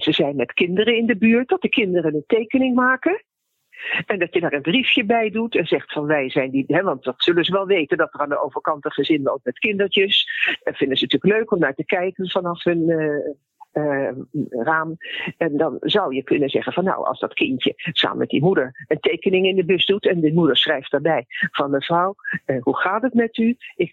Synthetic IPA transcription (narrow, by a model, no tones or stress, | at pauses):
z̥əzɛjnmɛtkɪndərəɪndəbyːɹt̚dɑt̚d̥əkɪndərənəntejkənɪŋmaːkə | ɛndɑtjədaːɹənbrifjəbɛjdutɛnzɛχtfɑnʋɛjzɛjndiɦɛʋɑnt̚dɑtsɵlənzəʋɛlˠʋejtəndɑtəraːndəʔowvəɹkɑntəχəzɪnʋɔ̰lkmɛtkɪndəɹtəsfɪndəzənətyːləkløɥkɔmnaːɹtəkɛjkənvɑnɑfɦɵn | raːmɛndɑnzɑwjəkɵnənzɛχənvɑnːo̰wɑ̰lˠzdɑ̰tkɪntəsa̰ːmə̰nmɛt̚dimudəɹəntejkənɪŋɪndəbøsdutɛndəmudəɹsrɛjftdaɹbɛjv̥ɑnəv̥rɔwɦuχaːtətmɛtyɪk